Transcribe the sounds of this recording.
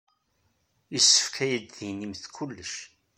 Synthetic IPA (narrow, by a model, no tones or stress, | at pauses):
jəsːə̥fkʰæjəd̪ðinimθkʰulːəʃ